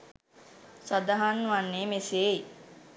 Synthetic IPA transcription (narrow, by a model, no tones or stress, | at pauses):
sad̪aɦanːuʋanːeːmeseːi